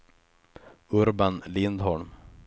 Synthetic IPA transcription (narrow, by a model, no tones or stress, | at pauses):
ɵɾbanlɪnd̪ɦɔɳm